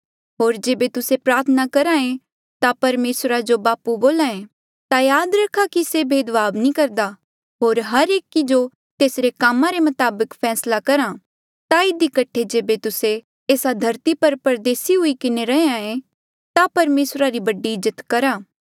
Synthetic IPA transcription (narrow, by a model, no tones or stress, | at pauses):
ɦoːɾd͡ʒeːbet̪ʊsepɾaːɾt̪ʰənakɐɾaẽ | t̪apɐɾmeːsɾad͡ʒobaːpuboːlãːẽ | t̪ajaːd̪ɾɐkʰakisebʱeːd̪ʋaːbnĩkɐɾd̪a | ɦoːɾɦɐɾeːkid͡ʒo | t̪eːsɾekaːmãɾemɐt̪aːbəkpʰɛːslakɐɾã | t̪aɪd̪ikɐʈʰːed͡ʒeːbet̪ʊse | eːsad̪ʱɐɾt̪ipɐɾpɐɾd̪eːsiɦʊikɪneɾɐeãẽ | t̪apɐɾmeːsɾaɾibɐɖːiɪd͡ʒət̪kɐɾaː